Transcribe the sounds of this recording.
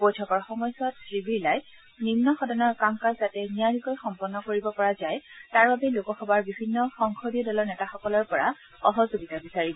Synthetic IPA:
bojtʰɔkɔɹxɔmɔjsɔtsɹibiɹlaj | nimnɔxɔdɔnɔɹkamkazzatɛnijaɹikɔjxɔmpɔnːɔkoɹibɔpɔɹazajtaɹbabɛlokɔxɔbaɹbibʱinːɔxɔŋxʰodiɔdɔlɔɹnɛtaxɔkɔlɔɹpɔɹa̰ | ɔɦɔzoɡitabisaɹibɔ

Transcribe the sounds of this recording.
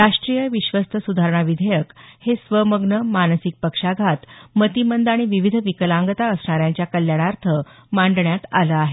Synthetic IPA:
ɾaʂʈɾijəʋiɕʋəst̪ʰəsud̪ʱaɾɳ̃aʋid̪ʱəjəkhesʋəməɡnəmanəsik̚pəkʂaɡʱat̪mət̪imənd̪aɽ̃iʋiʋid̪ʱʋikəlãŋɡət̪aəsɳaɾjãɲt͡ɕjakəljaɽ̃aɾt̪ʰəmaɳɖɳjat̪aləaɦe

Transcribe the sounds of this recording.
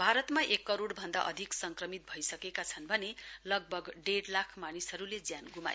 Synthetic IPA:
bʱaɾʌt̪maʔekːʌɾoɽbʱʌnd̪a̰ʔʌ̰d̪ʱiksʌŋkrʌmit̪̚bʱʌjsʌkekat͡sʰʌnbʱʌnelʌɡ̚bʱʌɡɖeɽlakʰmanisʌɾuled͡zjanɡuma̰

